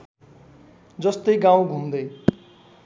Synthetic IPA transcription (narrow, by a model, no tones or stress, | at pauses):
d͡zʌst̪ʌjɡãw̃ɡʱumd̪ʌj